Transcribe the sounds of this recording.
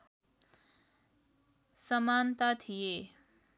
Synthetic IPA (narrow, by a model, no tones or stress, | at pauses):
sɐmaːnt̪at̪ʰijeː